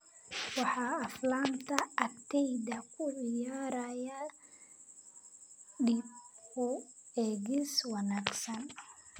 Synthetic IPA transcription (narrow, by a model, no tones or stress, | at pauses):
wɑħɑːflaːnt̪ʰɐɐkt̪ʰɛjd̪ɐkʰʊʕɪjaːɾaja | ɖibkʰʊɛːɡiswɑnaːɡsɐn